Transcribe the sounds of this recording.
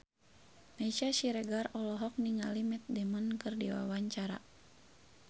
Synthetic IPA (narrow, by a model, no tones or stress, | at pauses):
naisaʃiɾɛɡarɔlɔɦɔk̚niŋalimɛt̪̚dɛmɔnkɨrdiwa̰waɲt͡ʃaɾa̰